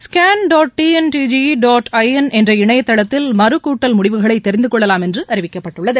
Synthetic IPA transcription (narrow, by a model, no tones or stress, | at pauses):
skaːnɖoːʈʈiːɛnʈiːd͡ʒiɖaːʈɐɪɐnʔɛndrɐɪɳɐjɐt̪ːɐɭɐt̪ːɪlmɐɾɯkːuːʈːɐlmʊɽɪʋɯɣɐɭɐɪt̪ːɛɾɪnd̪ɯkːɔɭːɐlaːmɛndrɯʔɐɾɪʋɪkːɐpːɐʈːɯɭːɐðɯ